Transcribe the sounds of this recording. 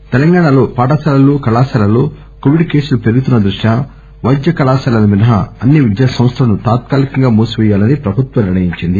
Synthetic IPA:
t̪ɛlɐŋɡaːɳɐlo̞ːpaːʈɐsaːlɐloːkɐlaːsɐlɐlo̞ː | koʋiɖke̞ːsulupe̞ɾuɡut̪unːɐd̪ɾuʂja | ʋɐjd̪jɐkɐlaːsɐlɐnɐminɐɦɐɐnːiʋid̪jaːsɐ̃mɐst̪ʰɐlɐnut̪aːt̪̚kaːlikɐŋɡaːmoːsuʋɛjaːlɐnipɾɐbʱut̪ʋɐniɾɳɐjiɲt͡ʃind̪i

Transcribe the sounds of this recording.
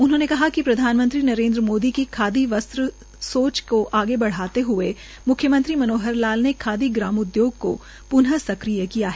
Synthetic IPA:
ʊnɦõnekɐɦakipɾɐd̪ʱaːnmə̃nt̪ɾinɐɾẽːnd̪ɾəmoːd̪ikikʰaːd̪iʋɐst̪ɾə | soːt͡ʃkoʔaːɡebɐɽ̤aːt̪eɦʊe | mʊkʰjəmə̃nt̪ɾimɐnoːɦəɾlaːlnekʰaːd̪iɡɾaːmʊd̪joːɡ̚ko̰ | pʊnɦəsɐkɾijəkijaɦɛː

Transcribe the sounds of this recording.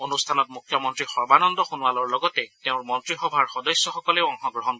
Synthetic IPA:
onust̪ʰanɔt̚mukʰːjɔmɔntɹixɔɹbanɔndɔxunuwalɔɹlɔɡɔtɛteʊ̃ɹmɔntɹixɔbʱaɹxɔdɔsjɔxɔkɔlɛɔŋxɔɡɹɔɦɔn

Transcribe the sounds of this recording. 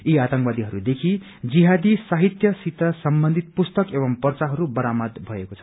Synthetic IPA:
iat̪ʌŋkwad̪iɦʌɾud̪ekʰi | d͡ziɦad̪isaɦit̪jʌsit̪asʌmbʌnd̪ʱit̪̚pust̪ʌkeβʌmpʌrt͡saɦʌɾubʌɾamʌd̪bʱʌekot͡sʰʌ̥

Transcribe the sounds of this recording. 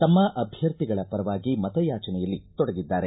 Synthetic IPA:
t̪ɐmːɐʔɐbʱjɐɾt̪iɡɐɭɐpɐɾɐʋaːɡimɐt̪ɐjaːt͡ʃɐnɛjɐlːit̪ɔɽɐɡid̪ːaːɾe

